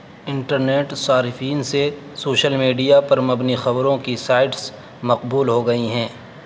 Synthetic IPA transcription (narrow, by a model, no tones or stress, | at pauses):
ɪ̃ɳʈəɾneːʈsaːɾɪfiːnse | soːʃəlmiːɖijapɐɾmɐbnixɐbɾõkisaːɪʈs | mɐqbuːlɦoɡɐiɦɛ̃ː